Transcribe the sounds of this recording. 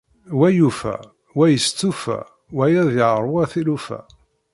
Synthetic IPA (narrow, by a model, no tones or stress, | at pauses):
wæjufæ̰ | wæjəst͡sːufæ̰ | wæjæðiʁəɾˤwæθilufæ̰